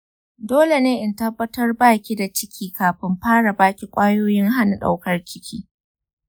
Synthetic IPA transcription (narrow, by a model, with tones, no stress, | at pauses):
doː˦le˨neː˦ʔɪ˨ntɐ˦bːɐ˦tɐ˦rbaː˦˨kʲi˦da˨t͡ʃɪ˦kʲʰiː˦kaː˨ɸɪ˦mɸaː˦ɽa˨baː˦kʲi˨kʷʼaː˦joː˦jɪ˦ŋɦa˦na˨ɗa̰˦wkɐ˦rt͡ʃʲɪ˦kʲʰiː˦